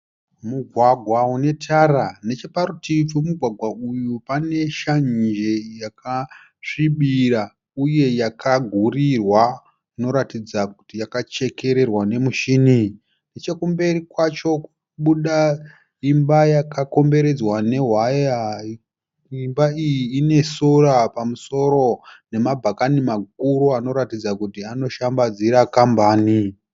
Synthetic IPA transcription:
muɡʱwaɡʱwaune̞tʰarane̞t͡ʃe̞parutʰifumuɡʱwaɡʱwaujupane̞ʃand͡ʒe̞jaka | ʂiɓira | uje̞jakaɡʱurirwa | ino̞ɾatid͡zakutijakat͡ʃe̞ke̞ɾe̞rwane̞muʃini | nit͡ʃekumbe̞rikwat͡ʃo̞ku | ɓuɗa | imbajakako̞mbe̞ɾe̞d͡zwane̞ɦwaja | imbaijiːne̞sorapamuso̞ɾo̞ne̞mabʱakanimak̚uɾuano̞ɾatid͡zakutiano̞ʃambad͡ziɾakambaːni

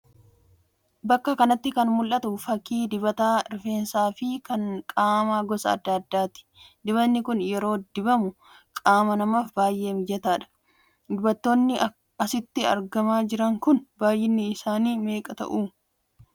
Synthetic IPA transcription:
bɐkːɐkɐnɐt̪ːɪkɐnmʊlʔːɐt̪ʊfɐkːiːd̪ɪbɐt̪aːɾɪfe̞ːnsaːfɪkɐŋkʼaːmaːɡɔsɐ̰ɐ̰d̪ːɐːd̪ːaːt̪ɪ̥d̪ɪβɐnːɪkʊnjɛɾo̞ːd̪ɪbɐmʊ | kʼaːmɐnɐmaːfbaːjʔe̞ːmd͡ʒɛt̪aːᶑɐ̥ | d̪ɪbɐt̪ːo̞ːnːɪ | ɐsɪt̪ːɪɐ̰ɾɡɐmaːd͡ʒɪɾɐŋkʊnbaːjʔɪnːɪːsaːniːme̞ːkʼɐt̪ɐ̰ʔuː

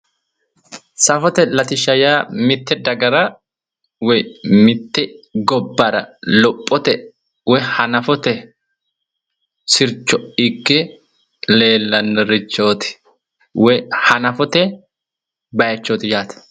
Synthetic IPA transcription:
sɐfɔt̪ɛlɐt̪ɪʃɐjaːmɪt̪ːɛd̪ɐɡɐɾɐ | wɛmɪt̪ːɛɡɔbːɐɾɐlɔpʼːɔt̪ɛ | wɛhɐnɐfɔt̪ɛ | sɪɾt͡ʃːɔɪkːɛ | le̞ːlːɐnːɛɾɪt͡ʃːoːt̪ɪ̥ | wɛhɐnɐfɔt̪ɛ | bɐjɐt͡ʃːoːt̪ɪjaːt̪ɐ̥

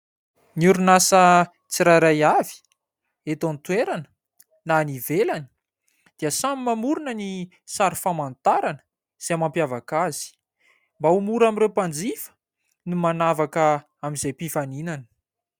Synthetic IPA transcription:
niuɾunasə | t͡siɾajɾajavi̥ | et̪ont̪weɾanə̥ | nanivelanə | d̪̥iəsamimamuɾunəni | saɾifamant̪aɾanə̥ | z̥eamampjavakaz̥i̥ | mbaumuɾamiɾewpand͡zifə̥ | numanavakə | amizajpifaninanə̥

